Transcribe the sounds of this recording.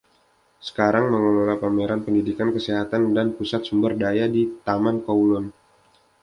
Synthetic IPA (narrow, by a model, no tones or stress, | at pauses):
sə̥kaɾaŋməŋololapameɾanpəndidikankəseɦat̪andanpusat̪̚sumbərdajadit̪amankaulɔn